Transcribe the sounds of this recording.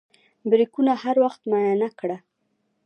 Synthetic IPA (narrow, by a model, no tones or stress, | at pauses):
bɾikunahaɾwaxt̪majanakɽa